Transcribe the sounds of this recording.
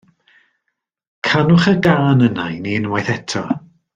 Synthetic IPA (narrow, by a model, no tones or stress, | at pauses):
kʰanʊχəɡaːnənajninwajθɛtʰɔ